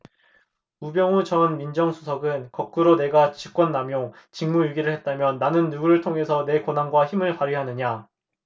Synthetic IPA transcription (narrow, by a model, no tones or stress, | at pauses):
ubjʌŋut͡ɕʌnmind͡ʑʌŋsʰusʰʌɡɯnkʌk̚k͈uɾone̞ɡat͡ɕik͈wʌnːamjoŋt͡ɕiŋmujuɡiɾɯɭhe̞t̚t͈amjʌnːanɯnːuɡuɾɯɭtʰoŋɦe̞sʰʌne̞konɦanɡwaçimɯɭpaɾiɦanɯɲa